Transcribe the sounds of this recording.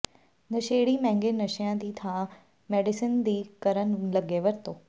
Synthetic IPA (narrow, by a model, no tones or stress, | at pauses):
nɐʃeːɽimɛ̃ɦɪ̃ŋɡenɐʃijãd̪iːt̪ʰã | meːɖɪsənd̪iːkɐɾənlɐɡeʋɐɾt̪oː